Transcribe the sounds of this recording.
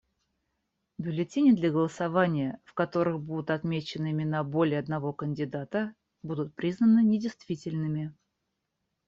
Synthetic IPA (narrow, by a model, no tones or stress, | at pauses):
bʲʊlʲɪtʲenʲɪd̪lʲəɡəlˠəsɐvanʲɪjəfkɐt̪o̞ɾɨxbud̪ʊt̪ɐt̪mʲet͡ɕɪnɨɪmʲɪnabolʲɪəɐd̪nɐvo̞kənʲdʲɪd̪at̪ə | bud̪ʊt̪̚pɾʲiznənɨnʲɪdʲɪjst̪vʲitʲɪlʲnɨmʲɪ